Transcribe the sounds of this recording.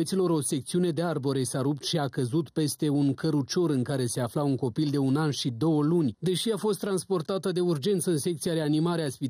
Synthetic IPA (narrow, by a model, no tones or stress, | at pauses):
ət̪silo̞ɾo̞se̞k̚t̪siune̞d̪e̞arbo̞ɾe̞saɾup̚t̪ʃiakəzut̪pe̞st̪e̞unkəɾut͡ʃo̞ɾɨŋkaɾe̞se̞aflauŋko̞pild̪e̞unanʃid̪o̞wəlunʲd̪e̞ʃiafo̞st̪ːɾanspo̞rt̪at̪əd̪e̞urd͡ʒe̞nt̪səɨnse̞k̚t̪sijaɾe̞animaɾeaspi